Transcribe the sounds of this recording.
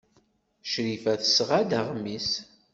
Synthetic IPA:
ʃɾifæθə̥sʁad̪aʁmis

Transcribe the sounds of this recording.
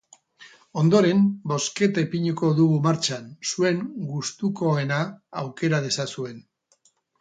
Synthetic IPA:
o̞nd̪o̞ɾe̞mbo̞ske̞t̪epiɲuko̞ðuɣumaɾt͡ʃansue̞ŋɡust̪uko̞e̞naːwke̞ɾað̞e̞sasue̞n

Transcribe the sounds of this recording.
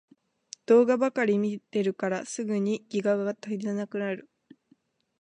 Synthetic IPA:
d̪̥o̞ːɡabakaɾʲimʲit̪e̞ɾɯ̟kaɾasɨɡɯ̟ɲ̟iɡ̥ʲiɡaɡaɡat̪akid̪eanakɯ̟naɾɯ̟

